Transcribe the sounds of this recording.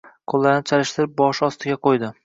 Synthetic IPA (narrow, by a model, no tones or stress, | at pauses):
qʰolˠːaɾnɪt͡ʃʰalɪʃt̪ʰɪɾɪp̚bɒʃɒst̪ʰɪɡʲaqʰojd̪ɪ